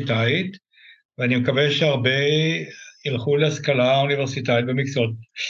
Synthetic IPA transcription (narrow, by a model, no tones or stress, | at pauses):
t̪ait̪ | veanimekaveʃeaʁbe | ilχuleaskalauniveʁsitait̪̚bemikt͡sot̚